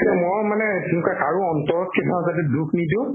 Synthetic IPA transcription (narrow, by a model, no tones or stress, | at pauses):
mɔɹmanɛtunkakaɹuɔntɔɹɔt̚ketʰaãzadɛdukʰnidʊ̃